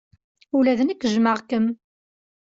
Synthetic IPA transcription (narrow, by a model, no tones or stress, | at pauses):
ulæðənækːʒməʁkəm